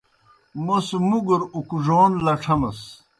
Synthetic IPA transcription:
mosmuɡuɾukuʐoːnlɐʈ͡ʂʰɐmɐs

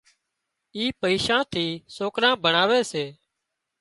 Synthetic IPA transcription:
iːpəiːʃãːt̪ʰiːsoːkɾãːbəɳaːʋeːseː

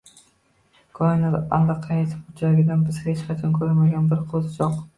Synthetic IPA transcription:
kʰɒɪnaalːaqʰɑjet̪ʰɪ̥p̚ʊt͡ʃʰaɡʲɪd̪anbɪz̥het͡ʃqʰɑt͡ʃʰɒnkʰʲɵɾmaɡʲanbɪɾqʰozd͡ʒɒq

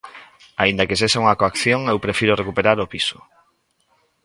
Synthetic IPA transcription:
aĩnd̪akes̬eʃauŋakoakθjoŋewpɾefiɾorekupeɾaɾopisʊ̥

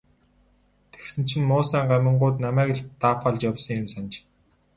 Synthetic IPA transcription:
t̪ʰe̥ksɘ̆n̥t͡ɕʰɪ̆nmʊːsæːɴɢæmə̆ɴɢʊːt̪namæːkĕɮt̪aːpʰaɮt͡ɕjawsɞ̆ŋjɪ̆msant͡ɕ

